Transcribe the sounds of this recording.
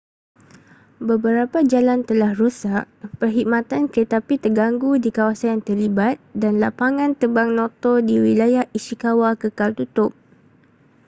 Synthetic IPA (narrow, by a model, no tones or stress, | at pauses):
bəbəɾapad͡ʒalant̪əlahrusaʔ̚pərɦimãt̪ankət̪apit̪ərɡaŋɡudikawasanjaŋt̪ərlibat̪̚danlapaŋãnt̪əbaŋnɔ̃t̪ɔdiwilajahisikawakəkalt̪ut̪ʊp̚